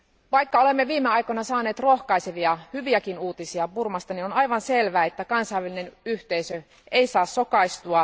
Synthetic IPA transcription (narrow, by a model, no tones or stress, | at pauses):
ʋɑjkːɑolemːeʋiːmeɑjkonɑsɑːneːt̪roxkɑiseʋiɑhyʋiækinuːt̪isiɑpurmɑst̪ɑninonɑjʋɑnse̞lʋæːet̪ːækɑnsɑjʋæline̞nyht̪eisø | ʔe̞isɑːsːo̞kɑist̪uɑ